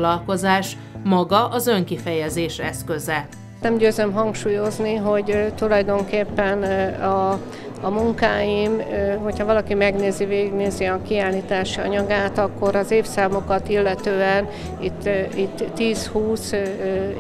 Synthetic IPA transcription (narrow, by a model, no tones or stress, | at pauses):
lɒlko̞zaːʃ | mɒɡɒʔɒzøŋkifɛjɛzeːʃɛskøzɛ | nɛmɟøːzømɦɒŋkʃuːjo̞zniɦo̞ɟt̪ulɒjd̪o̞ŋkeːpːɛnɒː | muŋkaːjimɦo̞chɒvɒlɒkimɛɡneːziveːɡiɡneːziɒkiaːlːiːt̪aːʃiɒ̰ɲɒɡaːt̪ɒkːo̞ɾɒzeːfsaːmo̞kɒt̪ilːɛt̪øːɛn | it̪ːit̪ːiːshuːs